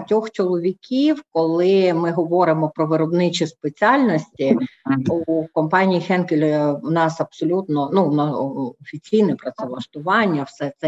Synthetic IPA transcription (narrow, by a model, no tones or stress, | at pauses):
tʲɔxt͡ʃɔlˠɔʋʲikʲiwkɔlˠɪmɪɦɔʋɔɾɪmɔpɾɔʋɪɾɔbnɪt͡ʃispet͡sʲɑlʲnɔsʲtʲiukɔmpɑnʲijixɛnkʲelʲnɑsɐb̥sɔlʲut̪nɔnunɑɔfʲit͡sʲijnɛpɾɔt̪sɛlˠɐʃt̪ʊʋɑnʲːɐwsɛt̪sɛ